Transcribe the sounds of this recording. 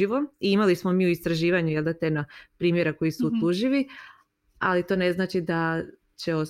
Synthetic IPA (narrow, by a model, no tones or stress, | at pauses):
iʋoiimalismo̞miːuist̪ɾaʒiːʋaɲujeld̪at̪enopɾiːmje̞ɾako̞jisuːt̪luʒiʋi | a̰lit̪o̞ːne̞znaːt͡ʃid̪a | t͡ɕe̞o